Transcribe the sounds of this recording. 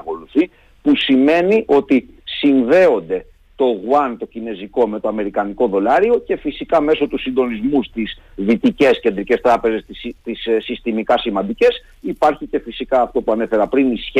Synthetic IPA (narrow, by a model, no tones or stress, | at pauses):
ko̞luθi | pusime̞niʔo̞t̪i | siɱve̞o̞nd̪e̞ | t̪o̞ɣwɐnt̪o̞cine̞ziko̞me̞t̪o̞ɐme̞ɾikɐniko̞ðo̞lɐɾio̞ce̞fisikɐme̞so̞t̪usind̪o̞nizmust̪is | ðit̪ice̞sce̞nd̪ɾice̞st̪ɾɐpe̞ze̞sist̪issist̪imikɐsimɐnd̪ice̞s | ipɐɾçice̞fisikɐːft̪o̞puɐne̞fe̞ɾɐpɾinisç